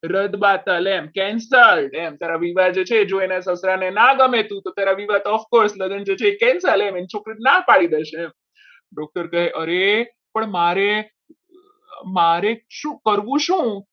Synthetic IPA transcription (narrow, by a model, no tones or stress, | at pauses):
ɾəd̪bat̪əlɛmkɛ̃nsəlɛmt̪aɾaʋiʋad̪d͡ʒet͡ʃʰeːd͡ʒoenesəsɾanenaɡəmet̪ũt̪ot̪jaɾaʋiʋat̪ɔfkoɾsləɡənd͡ʒet͡ʃʰeːkɛ̃nsəlemenit͡ʃʰokɾit̪napaɭid̪eʃẽ | ɖɔk̚ʈəɾkəɦeʔəɾe | pəɳmaɾe | maɾeʃũːkəɾʋũʃũ